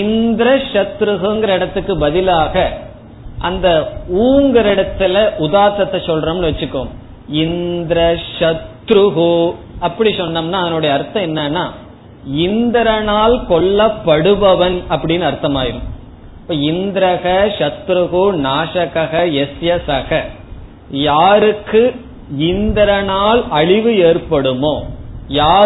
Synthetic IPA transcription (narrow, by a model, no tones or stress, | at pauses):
ɪnd̪ɾɐʂɐt̪ɾɯɣɯŋɡɐɾɐɪɽɐt̪ːɯkːɯbɐðɪlaːɣɐ | ʔɐnd̪ɐuːŋɡɐɾɪɽɐt̪ːɪlɐʔʊðaːt̪ɐt̪ːɐt͡ʃːɔlɾɐmnɯʋɐt͡ʃːɯkːo̰ːm | ɪnd̪ɾɐʂɐt̪ɾɯɣɯɐpːɐɽisɔnːɐmnaːɐðɐnɯɽɐjɐːɾt̪ːɐ̃ɛnːɐnaː | ɪnd̪ɾɐnaːlkɔɭːɐpːɐɽɯʋɐʋɐnɐpːɐɽɪjnːɐɐɾt̪ːɐmaːjɪɾɯm | pːoːɪnd̪ɾɐɣɐʂɐt̪ːɾɯɣɯnaːʂɐɣɐɣɐɛsjɐsɐɣɐ | jaːɾɯkːɯ | ɪnd̪ɾɐnaːlɐɻɪʋɯeːɾpɐɽɯmoːjaː